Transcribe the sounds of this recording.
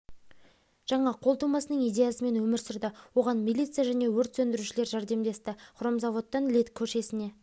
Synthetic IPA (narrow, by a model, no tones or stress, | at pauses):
ʒ̥ɑɴɑqʰo̞lˠt̪ʰumɑsənəɴijd̪ʲe̞jasəme̞nwɵmɪɾsʏɾd̪ɪwo̞ʁɑnmijlʲˠijt̪sɨjaʒæne̞wɵɾt̪sɵnd̪ɪɾuʃɪle̞ɾʒæɾd̪e̞md̪e̞st̪ɪχro̞mzɑvo̞t̪ːɑnlet̪kʲʰɵʃe̞sɪne̞